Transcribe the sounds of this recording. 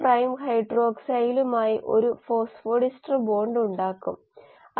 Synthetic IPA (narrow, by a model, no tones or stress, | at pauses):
prɐjmhɐjɖro̞ːksɐjlumaːjiʔo̞̰ɾufo̞ːsfoːɽisʈrɨbo̞ːɳɖuɳɖaːkːum | ɐ